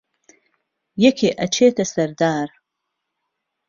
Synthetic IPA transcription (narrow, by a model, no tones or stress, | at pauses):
jɛkʰeʔɐt͡ʃʰeːt̪ɐsɐɾd̪aːɾ